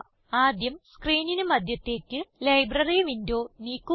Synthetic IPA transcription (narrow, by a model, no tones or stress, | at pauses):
aːd̪jɐmskriːninɨmɐd̪jɐt̪ːe̞ːkʲːɨlɐjbrɐriʋindo̞ːniːkːu